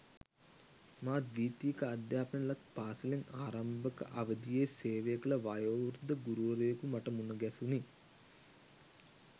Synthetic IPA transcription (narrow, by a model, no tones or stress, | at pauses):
maːd̪ʋiːt̪iːkɐɐd̪jaːpɐɳɐlɐt̪paːsɐlinaːɾɐmbɐkɐə̰ʔɐʋɐd̪ijeːseːʋejkɐlɐʋajoːʋɾd̪ɐɡuɾuʋɐɾeːkumɐʈɐmunɐɡɛsuni